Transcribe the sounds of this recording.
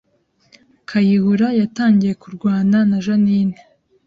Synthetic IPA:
kʰajihuɾajataːŋɟije̞kuɾɡwaːnanaʒanine

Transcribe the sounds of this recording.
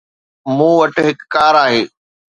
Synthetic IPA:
mũːʋɐʈɦɪkːaːɾaːɦeː

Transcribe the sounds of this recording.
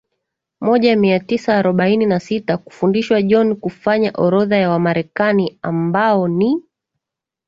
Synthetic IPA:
mɔʄamiatisaːɾɔɓaininasitaku̥fundiʃwaʄɔnkufaɲaʔɔɾɔðajawamaɾɛkaniambaɔni

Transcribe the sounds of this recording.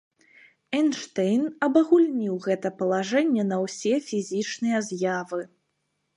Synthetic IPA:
ɛnʂt̪ɛjnɐbɐɣulʲnʲiwɣɛt̪ɐpɐlˠaʐɛnʲːɛnɐwsʲɛfʲizʲit͡ʂnɨjɐzʲjavɨ

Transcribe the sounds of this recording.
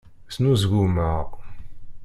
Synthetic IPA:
snuzɡuməʁ

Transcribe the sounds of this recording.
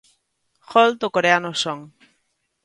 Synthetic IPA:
xolt̪okoɾeanosoŋ

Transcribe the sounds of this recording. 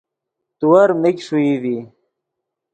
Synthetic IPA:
t̪uwɐɾmikʂuiði

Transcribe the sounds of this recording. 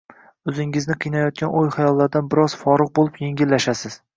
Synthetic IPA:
ɵzɪŋɪznɪqʰɨjnajɒt̪̚kʲʰanʔojχajɒlˠːaɾd̪anbɪɾɒz̥fɒɾɨq̚bolˠɪpjeŋɡʲɪlːaʃasɪz̥

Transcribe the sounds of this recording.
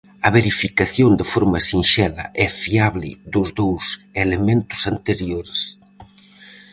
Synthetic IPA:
ɐβeɾifikaθjond̪ɪfoɾmɐsinʃɛlɐ̰ʔɛfiaβlɪ̰ðʊzðowselemẽnt̪ʊ̥sant̪eɾjoɾs

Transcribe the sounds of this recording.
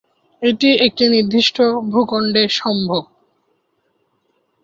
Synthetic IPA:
eʈiek̚ʈiniɾd̪ʱːiʃʈʰobʱukoɳɖeɾʃɔmbʱob

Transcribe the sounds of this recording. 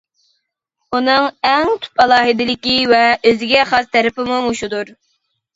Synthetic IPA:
unɨŋɛŋt̪ʰy̥pɛlˠɑːɦɨd̪ɪlɪkʲivɛøzɪɡʲɛχɑst̪ʰæɾɪpɪmumuʃud̪uɾ

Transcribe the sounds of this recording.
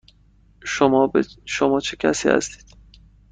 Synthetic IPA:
ʃomɒːbʃomɒːt͡ʃʰecʲʰæ̰siːhæ̰st̪i̥ːd̪̥

